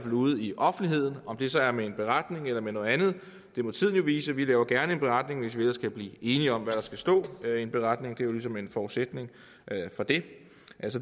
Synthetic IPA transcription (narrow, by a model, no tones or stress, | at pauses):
fæluːð̩ˠiʔɒ̽fn̩liɦe̝ð̞̰ˠn̩ɒ̽md̥e̝sɒ̽æɐmee̝nb̥e̝ʁɑd̥ne̝ŋelɐmeno̽ːð̩ˠænð̞̩ˠ | d̥e̝mɔ̽t͡sʰið̰ˠn̩jo̝ʋiːsəʋilɛːʊɐɡ̥æɐnəe̝nb̥e̝ʁɑ̈d̥ne̝ŋʋe̝sʋielɐsɡ̥ʰæb̥liːe̝ːniɒ̽mʋæɾ̥ɑ̈sɡ̥æsd̥ɔ̰̽ːe̝nb̥e̝ʁɑd̥ne̝ŋd̥e̝jo̝lisɒ̽me̝nfɒused̥ne̝ŋ | fɒ̽d̥e̝ | ʔælsə